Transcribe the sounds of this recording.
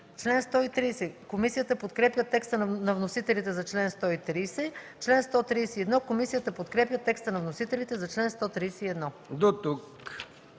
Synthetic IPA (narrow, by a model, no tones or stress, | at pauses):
t͡ʃlɛnst̪ɔit̪ɾiːsɛkomisijət̪əpot̪kɾɛpʲjət̪ɛkst̪ənnɐvnosit̪ɛlit̪ɛzɐt͡ʃlɛnst̪ɔit̪ɾisɛ | t͡ʃlɛnst̪ɔt̪ɾijsɛiɛd̪nɔkomisijət̪əpot̪kɾɛpjət̪ɛkst̪ənɐvnosit̪ɛlit̪ɛzɐt͡ʃlɛnst̪ɔt̪ɾiːsɛiɛd̪nɔ | d̪ot̪uk